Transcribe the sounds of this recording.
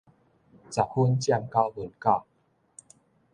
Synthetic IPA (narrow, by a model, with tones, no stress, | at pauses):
t͡sa˨˩hu˦nt͡ɕja˥˧˨ŋka˦˥wvu˨˩˨nka˥˧˨